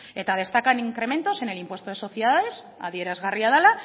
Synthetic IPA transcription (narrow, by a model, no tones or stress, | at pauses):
et̪að̞e̞st̪akaniŋkɾe̞mẽ̞nt̪o̞se̞ne̞limpwe̞st̪oð̞e̞so̞θjeðaðe̞s | a̰ðje̞ɾazɣariaðala